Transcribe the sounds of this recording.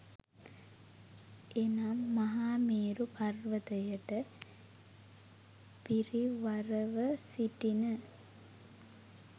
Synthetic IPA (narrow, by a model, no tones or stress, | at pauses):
enaːmːɐɦaːmeːɾupɐrʋət̪əjəʈə | piriʋɐɾəʋəsiʈinə